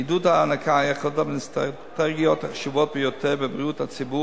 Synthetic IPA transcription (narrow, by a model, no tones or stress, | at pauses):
iduthaːnakajaχlot̪abenstʁat̪ɛɡijot̪ʃivot̚bejoteʁbebʁijuthat͡sibu